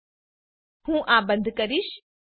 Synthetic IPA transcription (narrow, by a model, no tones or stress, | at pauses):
hũːʔabə̃nd̪ʱkəɾiʃ